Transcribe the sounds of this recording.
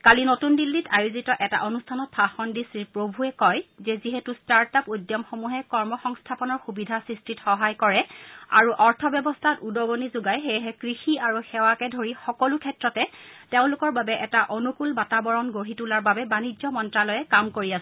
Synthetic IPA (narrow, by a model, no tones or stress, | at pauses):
kalinotundilːitajuzitɔʔɛta̰ʔonustʰanɔt̚pʰaxɔndisiɹpɹobʱuɛkɔjzɛziɦetustaɹtapujdjɔmxomuɦɛkɔɹmɔxɔŋstʰapɔnɔɹxubidʱasɹistɹitxɔɦajkɔɹɛa̰ɹuʔɔɹtʰɔbjɔbɔstʰatudɔɡonizuɡajxejɦɛkɹixiaɹuxɛwakɛdʱoɹixɔkɔlukʰɛtɹɔtɛteʊ̃lʊkɔɹbabɛʔɛtaʔonukulbatabɔɹɔnɡoɹitulaɹbabɛbanizɔmɔntɹalɔjɛkamkoɹiasɛɛ